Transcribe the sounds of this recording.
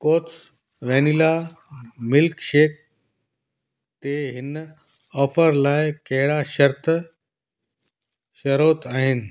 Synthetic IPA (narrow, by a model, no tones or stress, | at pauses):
koːt̪s | ʋenila | mɪlkʃeːk̚ | t̪eɦɪn | ɔːfəɾlaːjkeɦɪɽaʃəɾt̪ə | ʃɐɾoːt̪aːɦɪn